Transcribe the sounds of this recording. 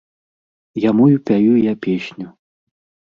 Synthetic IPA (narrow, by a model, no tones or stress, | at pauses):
jamujupʲajujapʲeɕʲnʲu